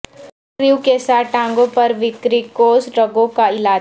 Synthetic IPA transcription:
ɾiukesaːʈãːŋ̆ɡõpɐɾʋɪkɾikoːsɾɐɡõkaɪlaː

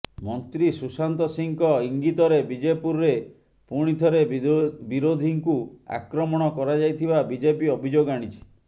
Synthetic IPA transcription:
mɔnt̪ɾisusant̪ɔsiŋkɔiŋɡit̪ɔɾebid͡ʒepuɾːe | puɽ̃it̪ʰɔɾebiɾod̪ʱiŋkua̰kɾɔmɔɽ̃ɔkɔɾad͡ʒajt̪ʰibabid͡ʒepiɔbʱid͡ʒoɡaɽ̃it͡ʃʰi̥

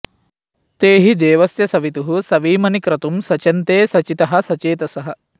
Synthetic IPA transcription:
t̪eːɦid̪eːʋɐsjɐsɐʋit̪uɦusɐʋiːmɐnikɾɐt̪umsɐt͡ʃɐnt̪eːsɐt͡ʃit̪ɐɦɐ̆sɐt͡ʃeːt̪ɐsɐɦɐ

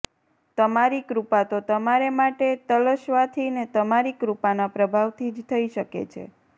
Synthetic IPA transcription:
t̪əmaɾikɾupat̪ot̪əmaɾemaʈet̪ələʃʋat̪ʰinet̪əmaɾikɾupanapɾəbʱaʋt̪ʰid͡ʒt̪ʰəiʃəkḛt͡ʃʰḛ

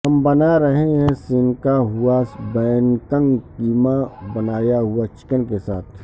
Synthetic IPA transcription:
ɦɐmbɐnaɾɐɦeɦɛ̃sɪnkaɦʊasbɛːnkə̃ŋɡkiːmabɐnaːjaɦʊat͡ʃɪ̥kənkesaːt̪ʰ

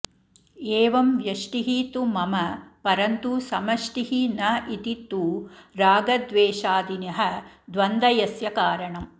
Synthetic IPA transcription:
eːʋɐmʋjɐʂʈiɦit̪umɐmɐpɐɾɐnt̪usɐmɐʃʈiɦinɐʔit̪it̪ːuɾaːɡɐd̪ʋeːʃaːd̪inɐɦɐd̪ʋɐnd̪ɐjɐsjɐkaːɾɐɳɐm

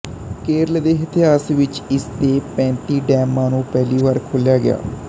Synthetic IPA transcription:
keːɾəld̪eːɦət̪ɪɦaːsʋɪt͡ʃɪst̪eːpɛ̃ːnt̪iːɖɛːmːãːnũːpɛːliːʋaːɾkʰoljaːɡɪ̰ja̰ː

